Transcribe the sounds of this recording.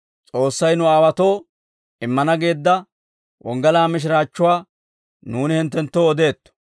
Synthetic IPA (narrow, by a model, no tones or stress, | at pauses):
t͡sʼo̞ːsːɐjnʊaːwɐt̪o̞ː | ɪmːɐnɐɡeːd̪ːɐ | wʔɔŋɡɐlaːmɪʃ̬ɾaːt͡ʃːʊwaː | nuːnɪhɪnt̪̬ːɛnt̪ːoːd̪e̞ːt̪ːɔ̥